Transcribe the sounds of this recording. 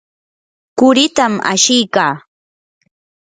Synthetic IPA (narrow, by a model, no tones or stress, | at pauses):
kʊɾɪt̪ama̰ʃɪjkaː